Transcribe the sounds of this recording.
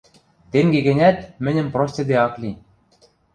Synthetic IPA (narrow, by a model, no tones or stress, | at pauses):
t̪eŋɡeɡɘ̆nʲæt̪mɘ̆nʲɘ̆mprosʲt̪ʲĕd̪eɑklʲi